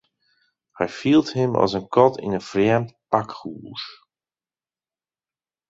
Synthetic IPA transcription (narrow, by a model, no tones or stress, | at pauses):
hɛjfilˠthɪmʔɔ̰sənkʰɔtḭnənfrjɛmtpakχuːr